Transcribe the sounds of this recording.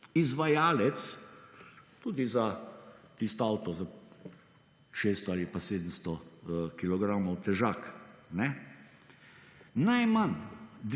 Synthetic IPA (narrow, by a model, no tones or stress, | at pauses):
izʋajaːlɛt̪s | t̪uːd̪izat̪ist̪ɔawt̪ɔza | ʃeːst̪ɔalipaseːd̪əmst̪ɔkilɔɡɾamɔwt̪ɛʒaːknɛ | najmand̪